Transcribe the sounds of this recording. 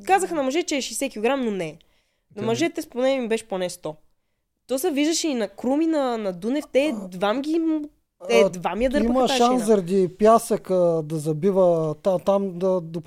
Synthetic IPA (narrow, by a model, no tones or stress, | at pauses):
kazəxənɐmɐʒɛt͡ʃɛːʃɛsɛkʲilˠoɡɾamnonɛ | nɐmɐʒɛt̪ɛponɛibɛʃponɛst̪ɔ | t̪ɔsəviʒd̪ɐʃiinɐkɾuminɐnɐd̪unɛft̪ɛd̪vamɡʲi | ɛd̪vamiəd̪əɾiməʃaanszɐɾɐd̪ipjasəkəd̪ɐzɐbivət̪at̪amd̪ɐd̪op